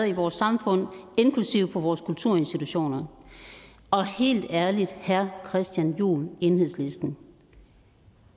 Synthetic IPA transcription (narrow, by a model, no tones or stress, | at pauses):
ɐiʋɒːsːɑ̈mfɔ̽n̰e̝nkʰlusiʊ̰pʰɒ̽ʋɒːskʰult͡sʰuɐ̰e̝nsd̥it͡sʰuɕo̝̰ːnɐ | ʔɒ̽he̝̰ːld̥æɐlid̥hæɐkʰʁɛsd̥jænjṵːle̝ːnhe̝ð̰ˠslesd̥n̩